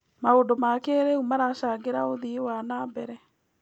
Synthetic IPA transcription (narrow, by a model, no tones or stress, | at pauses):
maondomakeɾeumaɾaʃaːɡeɾaoðiwanaːmbɛɾɛ